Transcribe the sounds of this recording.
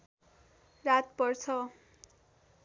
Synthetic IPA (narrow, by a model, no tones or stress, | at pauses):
rat̪̚pʌrt͡sʰʌ